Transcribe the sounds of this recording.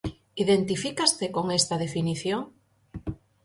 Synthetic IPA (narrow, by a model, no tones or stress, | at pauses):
iðent̪ifikast̪ekoŋest̪að̞efiniθjoŋ